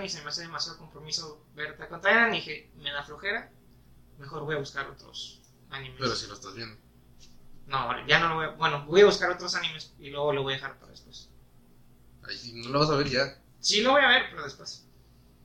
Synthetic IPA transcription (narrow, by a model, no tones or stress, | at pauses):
nisemeaseð̞emasjað̞oko̞mpɾo̞misoβeɾt̪akont̪ajaɾand̪ixeme̞ðaflo̞xe̞ɾa | me̞xo̞ɾβo̞jaβuskaɾo̰t̪ɾo̰s | anĩme̞peɾosiloest̪azβjend̪o | noo̰ɾḛʝano̞loojabwe̞nobojaβuskaɾo̞t̪ɾosanĩme̞silwe̞ɣo̞loo̞jaðeaɾpaɾaðespwes | ajinoloβas̬aβeɾʝa | sinoβo̞jaβe̞ɾpeɾoð̞espwes